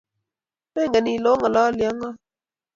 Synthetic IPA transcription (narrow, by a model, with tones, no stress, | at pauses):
mɛ˦˨ŋɡa˨ni˨lo˦ŋa˨la˦lja˦ŋa˦